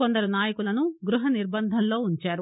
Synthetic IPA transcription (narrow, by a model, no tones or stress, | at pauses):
ond̪ɐɾunaːjɐkulɐnuɡɾuɦɐniɾbɐnd̪ʱɐnlo̞ːuɲt͡ʃaːɾu